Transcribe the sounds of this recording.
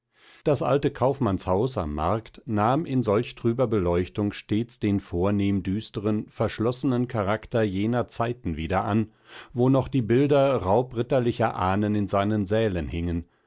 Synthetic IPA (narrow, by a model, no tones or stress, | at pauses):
d̥asʔa̰ltəkʰaʊfmanshaʊsa̰mːa̰ɐktnaːmʔɪnzɔlçtʁ̥yːbɐbəlɔʏçtʊŋʃteːt͡sd̥eːnfoːɐneːmdyːstəʁənfɛɐʃlɔsənənkʰaʁaktɐjeːnɐt͡saɪtn̩viːdɐʔan | voːnɔχd̥iːbɪldɐʁaʊpʁɪtɐlɪçɐʔaːnənɪnzaɪnənzɛːlənhɪŋən